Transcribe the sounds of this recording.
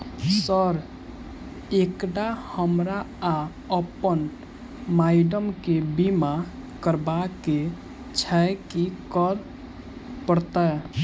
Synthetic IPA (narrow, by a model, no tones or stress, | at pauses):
səɾ | ekɖahəmɾa | a | əpən | maɪɖəmkebima | kəɾbake | t͡ʃʰɛkikəɾ | pəɾt̪a